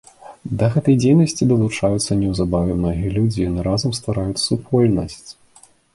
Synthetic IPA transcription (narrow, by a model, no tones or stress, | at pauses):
d̪ɐɣɛt̪ɐjd͡zʲejnɐsʲt͡sʲid̪ɐlˠut͡ʂajut̪sːɐnʲɛwzabavʲɛmnɔɣʲijɐlʲud͡zʲijanɨɾazɐmst̪vaɾajut͡sʲsupʰɔlʲnɐ̰sʲt͡sʲ